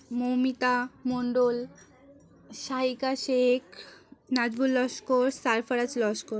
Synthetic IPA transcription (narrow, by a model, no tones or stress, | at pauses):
momit̪amoɳɖol | ʃaɦikaɕekʰnad͡ʑbulːɔskoɾsaɾfəɾat͡slɔskoɾ